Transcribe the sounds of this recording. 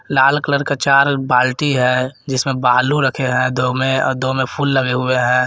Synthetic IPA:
laːlkələɾkat͡ʃaːɾbaːlʈiɦɛ̃d͡ʒɪsmẽbaːluɾəkʰeɦɛ̃d̪oːmẽɔ̰ːɾd̪omẽpʰuːlːəɡeɦʊeɦɛ̃ː

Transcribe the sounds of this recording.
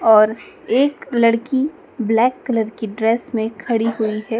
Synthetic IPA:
ɔːɾ | eːklɐɽki | blɛːkːɐləɾkiɖɾɛːsmẽkʰɐɽiɦuiɦɛː

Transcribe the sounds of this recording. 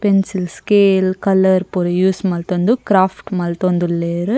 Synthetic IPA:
pɛnsɪlskeːlkɐlɐɾpoɾɐjuːsmɐːlt̪ond̪ukɾaːfʈmɐlt̪ond̪ɯlːeːɾɯ

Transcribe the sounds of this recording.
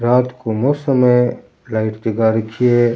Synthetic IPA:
ɾaːt̪komoːsəmẽ | laːɪʈd͡ʒəɡaɾəkʰije

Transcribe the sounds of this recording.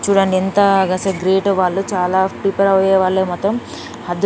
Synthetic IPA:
t͡ʃuːɽɐɳɖient̪ɐɡɐseɡɾeːʈʋaːɭːut͡ʃaːlaːpipɐɾɐʋjeːʋaːɭːeːmɔt̪ːom | hɐd̪

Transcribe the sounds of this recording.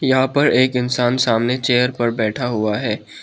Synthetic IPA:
jɐɦãpɐɾeːkɪnsaːnsaːmnet͡ʃeːjəɾpɐɾbɛːʈʰaɦʊaɦɛː

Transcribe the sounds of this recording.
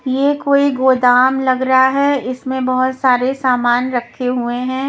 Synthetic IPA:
jekoːiɡoːd̪aːmlɐɡɾɐɦaɦɛɪsmẽbɐɦʊt̪saːɾesaːmaːnɾɐkʰːeɦueɦɛ̃ː

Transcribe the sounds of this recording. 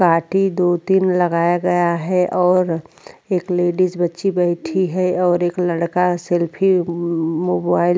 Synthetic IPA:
kaːʈid̪oːt̪inlɐɡaːjaɡɐjaɦɛʔɔːɾ | eːkleːɖisbɐtːʃibɛɪʈʰiɦɛɔːɾeːklɐɽkaselpʰi | moːbaːɪl

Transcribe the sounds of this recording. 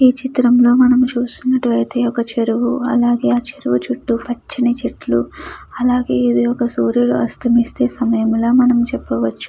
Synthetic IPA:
iːt͡ʃit̪ɾɐmlo̞ːmɐnɐmut͡ʃuːst̪unːɐʈuʋɐɾit̪eːɔkɐt͡ʃeɾuʋuɐ̰laːɡe̞ːaːt͡ʃeɾuʋut͡ʃuʈːupɐt͡ʃːinit͡ʃeʈlṵɐlaːɡe̞ːid̪iɔkɐsuːɾjuluʔɐ̰st̪ʰɐmist̪e̞ːsɐmɐjɐmlaːmɐnɐmt͡ʃɛpːɐʋɐt͡ʃːu̥

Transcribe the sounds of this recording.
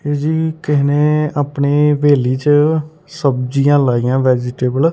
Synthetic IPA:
eːd͡ʒiːkɪɦneːaːpɳeːʋeːliːt͡ʃə | səbd͡ʒijãːlaːijãːʋɛːd͡ʒɪʈeːbəl

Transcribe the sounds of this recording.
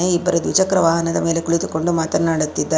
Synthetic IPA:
eibːɐɾɐd̪ʋit͡ʃɐkɾɐʋaːɦɐnɐd̪ɐme̞ːlekuɭit̪uko̞ɳɖumaːt̪ɐnːaːɽut̪ːid̪ːaː

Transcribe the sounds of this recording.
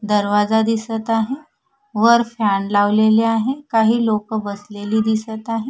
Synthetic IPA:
d̪əɾʋazad̪isət̪aɦɛ̃ | ʋəɾfʰjanlaʋleleaɦekaɦilokbəslelid̪isət̪aɦẽ

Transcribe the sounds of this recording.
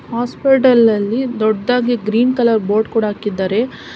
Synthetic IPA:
haːspiʈɐlɐlːid̪ɔɖːaːɡiɡɾiːnkɐlɐɾbo̞ːɾɖkuːɽaɦaːkid̪ːaːɾe̞

